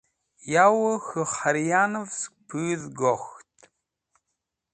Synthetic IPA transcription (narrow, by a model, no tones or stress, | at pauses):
jawɐxɨχaɾjanɨvspʰɨɣðɡoxtʰʼ